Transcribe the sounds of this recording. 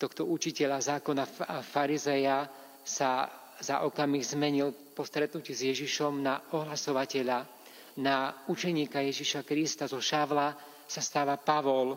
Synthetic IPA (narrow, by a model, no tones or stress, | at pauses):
t̪ɔxt̪ɔut͡ʃicɛʎazaːkɔnafaɾizɛja | sa | zaʔɔkamiɣzmɛɲilpɔst̪ɾɛt̪nucizjɛʒiʃɔmnaɔɦlasɔʋacɛʎa | naut͡ʃɛɲiːkajɛʒiʃakɾist̪azɔʃaʋla | sast̪aːʋapaʋɔl